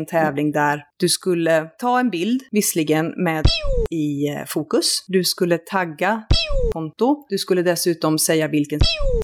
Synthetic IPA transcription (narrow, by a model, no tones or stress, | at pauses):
nt̪ʰɛːvlɪŋd̪æɾd̪̥ɵskɵlːət̪ʰɑːɛnbɪld̪vɪslɪɡənmeːd̪ɪfuːkɵsd̪ɵskɵlːət̪ʰaɡːakʰɔnt̪ʊd̪̥ɵskɵlːəd̪ɛsʉ̟ːt̪ɔmsɛjːavɪlkən